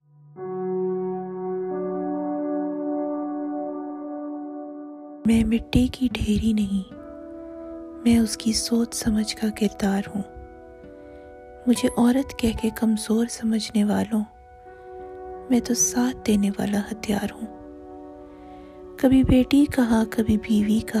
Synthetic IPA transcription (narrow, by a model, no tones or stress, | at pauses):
mɛ̃ːmɪʈːikiɖʱeːɾinɐɦĩː | mɛ̃ːʊskisoːt͡ʃsɐməd͡ʒʱkakɪɾd̪aːɾɦũː | mʊd͡ʒʱeʔɔːɾət̪kɛɦkekɐmzoːɾsɐməd͡ʒʱneʋaːlõ | mɛ̃ːt̪osaːt̪̚ʰd̪eːneʋa̰ːlahɐt̪ijaːɾɦũː | kɐbʱibeːʈikɐɦakɐbʱibiːʋika